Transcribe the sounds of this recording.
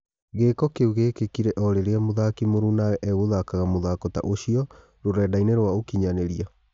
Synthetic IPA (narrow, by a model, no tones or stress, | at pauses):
ɣeːkɔkeuɣeːkekiɾɛʔɔɾeɾeamoðakimoɾunaɣɛʔɛɣoðakaɣamoðakɔta̰ʔoɕiɔ | ɾoɾɛːdaineɾwaokiɲaneɾia